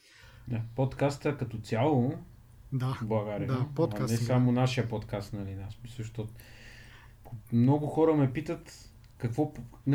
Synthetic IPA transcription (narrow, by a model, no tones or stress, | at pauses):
d̪apot̪kast̪əkɐt̪ɔt̪sʲjalˠo | d̪ablˠɐɡaɾiəɐnɛsamonaʃijəpot̪kast̪nɐlinasmisəʃt̪ɔ | mnɔɡʊxɔɾəmɛpit̪ət̪ | kɐkvɔpn